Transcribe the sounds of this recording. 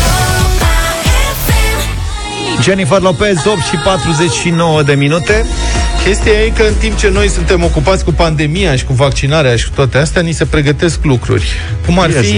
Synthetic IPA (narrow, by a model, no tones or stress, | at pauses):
d͡ʒenifərlapesop̚t̪ʃipat̪ɾuze̞t͡ʃʲʃinowəd̪e̞minut̪e̞kʲe̞st̪ijajekəɨnt̪imp̚t͡ʃe̞no̞jsunt̪e̞mo̞kupat̪sʲkupand̪e̞mijaʃi̥kuvak̚t͡ʃinaɾeaʃi̥kut̪oat̪east̪eanise̞pɾe̞ɡət̪e̞sklukɾṵrʲ | kumarfi